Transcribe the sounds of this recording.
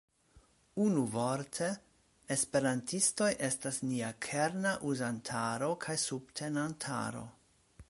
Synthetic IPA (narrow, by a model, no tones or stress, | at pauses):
unuvo̞ɾtʰe̞ː | spe̞ɾantʰisto̞jʔe̞stasniakʰeɾnaʔuzantʰaɾo̞kʰajsub̥̚tʰe̞nantʰa̰ɾo̞̰